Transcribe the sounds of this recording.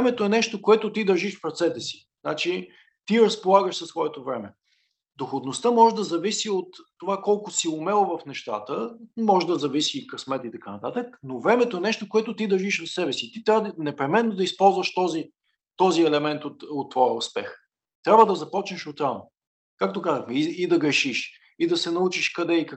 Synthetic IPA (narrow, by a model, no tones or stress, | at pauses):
ɛmɛt̪oɛnɛʃt̪okoɛt̪ot̪id̪əɾʒiʃfɾɐt̪sɛt̪ɛsi̥ | znat͡ʃi | t̪iɾəspolˠaɡəʃsəsːvɔɛt̪ovɾɛmɛ | d̪oxod̪nost̪əmɔʒd̪ɐzɐvisiot̪ːovakɔlˠkʊsiʊmɛlˠovɐfnɛʃt̪a̰t̪əmɔʒd̪ɐzɐvisikɐsmɛt̪it̪ɐkanɐt̪at̪əknovɾɛmɛt̪oɛnɛʃt̪okoɛt̪ʊt̪id̪ɐɾʒiʃvɐfsɛbɛsit̪it̪ɾʲavd̪nɛpɾɛmɛnːod̪ɐispɔlˠzvəʃt̪ɔzi | t̪ɔziɛlɛmɛnt̪ot̪ot̪ːvɔjəʊspɛ̰x | t̪ɾʲabvəd̪ɐzɐpɔt͡ʃnəʃʊt̪ano | kakt̪okazəxmɛiid̪ɐɡɾɛʃiʃ | id̪ɐsɛnɐut͡ʃiʃkɐd̪ɛik